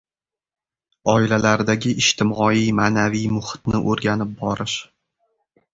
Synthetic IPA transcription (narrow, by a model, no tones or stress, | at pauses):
ɒɪlalaɾd̪aɡʲɪʔɪʃt̪ʰɪmɒijmaːnavijmʊhɪ̥t̪nɪʔoɾɡʲanɪp̚bɒɾɪʃ